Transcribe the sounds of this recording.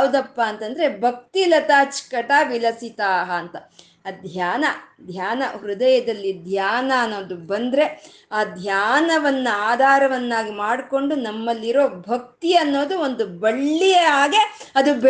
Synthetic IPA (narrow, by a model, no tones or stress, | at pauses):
ud̪ɐpːaːnt̪ɐnd̪ɐɾe̞bʱɐk̚t̪ilɐt̪aːt͡ʃkɐʈaːʋilɐsit̪aːɦɐːnt̪ɐ | d̪ʱjaːnɐd̪ʱjaːnɐɦɾud̪ɐjɐd̪ɐlːid̪ʱjaːnɐːnːo̞ːd̪ubɐnd̪ɾe̞ | aːd̪ʱjaːnɐʋɐnːuaːd̪ʱaːɾɐʋɐnːaːɡimaːɽko̞ɳɖunɐmːɐlːiɾo̞ːbʱɐk̚t̪iɐnːo̞ːd̪uo̞nd̪ubɐɭːijeaːɡe̞ɐd̪ub